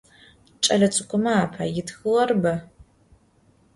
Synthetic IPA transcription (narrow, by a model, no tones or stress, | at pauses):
t͡ʃʼɐɮɐt͡sʼɨkʷʼʊmɐaːpʰa̰jɪtxɨʁɐrbɐ